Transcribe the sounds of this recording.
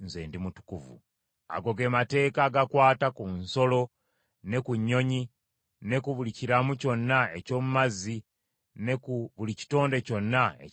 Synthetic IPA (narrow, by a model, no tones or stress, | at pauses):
nzḛːndimutu̥kuvṵ | a̰ɡo̞ɡe̞mate̞ːkaɡakwaːtakunso̞lo̞ | ne̞kuɲːo̞ɲi | ne̞kuβuliciɾamuco̞nːae̞co̞ːmumazi | nekuβulici̥to̞ːnde̞co̞nːaḛ